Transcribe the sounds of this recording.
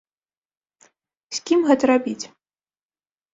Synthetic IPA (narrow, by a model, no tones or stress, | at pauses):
sʲkʲimɣɛt̪ɐɾabʲit͡sʲ